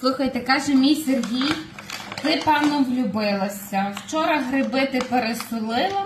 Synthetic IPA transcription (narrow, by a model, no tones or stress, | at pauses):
lˠɪxɐjt̪ɛkɑʒemʲijserɦʲij | t̪ɪpɑnɔwlʲʊbɪlˠɐsʲɐwt͡ʃɔɾɐɦɾɪbɪt̪ɪpeɾest̪ʊlˠɪlˠɐ